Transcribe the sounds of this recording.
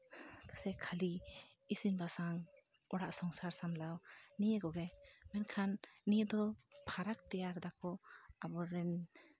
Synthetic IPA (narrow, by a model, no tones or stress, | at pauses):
kʰə̥sɛkʰaliisinbasaŋ | ɔɽaʔsɔŋsaɾsamlawnijəkɔɡɛmɛnkʰanːijəd̪ɔpʰaɾak̚t̪ɛjaɾd̪akɔabɔɾɛn